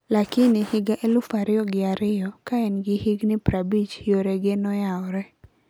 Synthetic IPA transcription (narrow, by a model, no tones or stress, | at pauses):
lakɪnɪhɪɡaʔelʊfaɾɪjɔɡɪaɾɪjɔkaɛnɡɪhɪɡnɪpɾabit͡ʃjoɾɛɡenɔjaɔɾɛ